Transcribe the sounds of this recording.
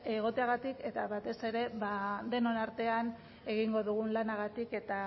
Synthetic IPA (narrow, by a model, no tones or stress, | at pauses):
e̞ɣ̞o̞t̪e̞aɣat̪ike̞t̪aβat̪e̞se̞ɾe̞βad̪e̞no̞naɾt̪e̞an | e̞ɣiŋɡo̞ðuɣ̞unlanaɣat̪ike̞t̪a